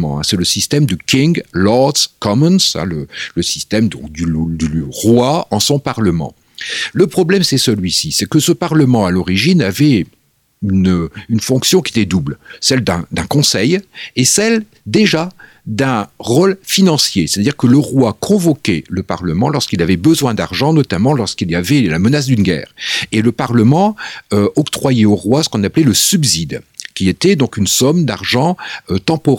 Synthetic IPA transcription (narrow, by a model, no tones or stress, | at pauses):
mɑ̰̃ɛ̰̃sɛləsist̪ɛmd̪əkʲĩŋlɔʁd̪skɔmənsɛ̰̃lələsist̪ɛmd̪ɔ̃kd̪yd̪yʁwaɑ̃sɔ̃paʁləmɑ̰̃ | ləpχɔblɛmsɛsəlɥisisɛkəsəpaʁləmɑ̃alɔʁiʒinavɛ | ynynfɔ̃ksjɔ̃kʲiet̪ɛd̪ublsɛld̪ɛ̃d̪ɛ̃kɔ̃sɛjesɛl | d̪eʒa | d̪ɛ̃ʁolfinɑ̃sjesɛt̪ad̪iʁkələʁwakʰɔ̃vɔkʲɛləpaʁləmɑ̃lɔʁskilavɛbəzwɛ̃d̪aʁʒɑ̃nɔt̪amɑ̃lɔʁskiljavɛla̰mənas̬d̪ynɡʲɛ̰ːʁeləpaʁləmɑ̃øɔkt̪χwajɛoʁwasə̥kɔ̃naplɛləsybzid̪kʲiet̪ɛd̪ɔ̃kynsɔmd̪aʁʒɑ̃øt̪ɑ̃pɔʁ